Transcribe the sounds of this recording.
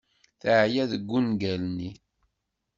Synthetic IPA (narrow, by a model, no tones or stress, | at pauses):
θəʕjæðəɡːunɡælni